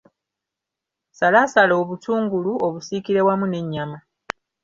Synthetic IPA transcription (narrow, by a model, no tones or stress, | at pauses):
salaːsalo̞ːβutuːŋɡuluoβusikiɾe̞wamune̞ɲːama